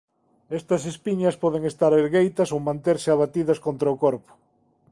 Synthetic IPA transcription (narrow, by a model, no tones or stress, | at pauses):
ɛst̪ɐsespiɲɐspɔðeŋest̪aɾeɾɣejt̪ɐsowmãnt̪eɾsɪaβat̪iðɐskont̪ɾɐʊkɔɾpʊ̥